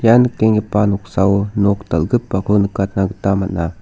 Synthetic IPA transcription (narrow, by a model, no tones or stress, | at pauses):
janɯk̚teŋɡipanɔk̚sawnɔktalɡɯpːakʰɯnɯkat̪̚naɡɯtamat̚na